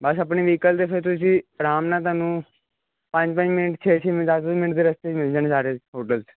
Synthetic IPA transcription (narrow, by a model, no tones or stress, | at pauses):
bəsəpɳiːʋiːkəlt̪epʰeɾt̪ʊsiːɾaːmnaːt̪̬aːnũː | pə̃ɲd͡ʒpə̃ɲd͡ʒmɪnəʈt͡ʃʰeːt͡ʃʰeːmɪaomɪnəʈd̪iːɾəst̪eːmẽd͡ʒənesaːɾeɦoːʈəls